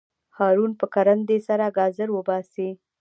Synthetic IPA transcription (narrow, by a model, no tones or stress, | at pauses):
hɑɾunpəkaɾand̪esaɾaɡɑzəɾwəbɑsi